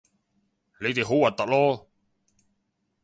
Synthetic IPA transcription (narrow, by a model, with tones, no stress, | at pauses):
le˨˧jt̪e˨jɦo˨˥wɐ˨˩t̪ɐ˨˥k̚lɔː˥